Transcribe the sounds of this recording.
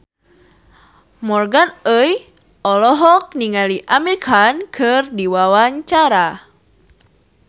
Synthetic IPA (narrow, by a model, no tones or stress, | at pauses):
mɔrɡanəj | ɔlɔɦɔk̚niŋaliʔamɛrkʰankʰɨrdiwawaɲt͡ʃaɾa